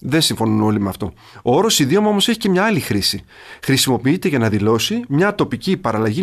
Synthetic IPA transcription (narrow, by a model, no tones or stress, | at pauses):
ðe̞siɱfo̞nuno̞limeɐft̪o̞ | oo̞ɾo̞siðiomɐo̞mo̞se̞çice̞mɲɐɐlixɾisi | xɾisimo̞piit̪e̞ʝɐnɐðilo̞simɲɐt̪o̞picipɐɾɐlɐʝi